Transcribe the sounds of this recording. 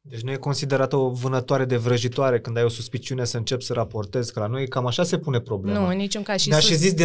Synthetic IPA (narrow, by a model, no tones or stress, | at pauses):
d̪et͡ʃʲnujeko̞nsid̪e̞ɾat̪əovɨnət̪oaɾe̞d̪e̞vɾəʒit̪oaɾe̞kɨnd̪ajo̞suspit͡ʃiune̞səɨnt͡ʃe̞psəɾapo̞rt̪e̞zkəlanojkamaʃase̞pune̞pɾo̞blenunit͡ʃuŋkaʃinaʃizis̬d̪i